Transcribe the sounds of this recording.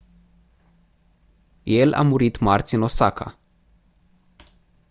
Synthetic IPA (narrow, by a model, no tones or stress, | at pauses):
je̞la̰muɾit̪mart̪sʲɨno̞sakʰa̰